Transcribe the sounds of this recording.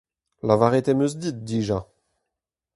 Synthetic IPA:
lavaʁet̪emøzd̪it̪̚d̪iːʒa

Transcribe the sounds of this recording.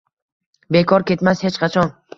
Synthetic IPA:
be̞kʰɒɾkʲe̞t̪mashe̞t͡ʃqʰɑt͡ʃʰɒn

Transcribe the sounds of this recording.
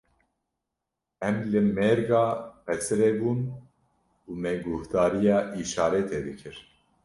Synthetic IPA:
ɛmlɨmeɾɡɑːpʰɛsɨɾeːbuːn | uːmeɡuht̪ɑːɾijɑːʔiːʃɑːɾɛt̪ʰeːd̪ɨkʰɨɾ

